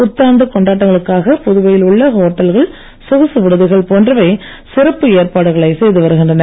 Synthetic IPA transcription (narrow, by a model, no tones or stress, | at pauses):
ʊt̪ːaːnd̪ɐkɔɳɖaːʈ̬ːɐŋɡɐɭɯkːaːɣɐpɔðɯʋɐjɪlʊɭːɐɣɐɦoːʈːɐlɣɐɭ | sʊɣɐsɯʋɪɽɯðɐɪɣɐɭpoːndrɐʋɐɪ | sɪrɐpːɯeːrpaːɽɯɣɐɭɐɪsɛjðɯʋɐɾɯɣɪndrɐnɐ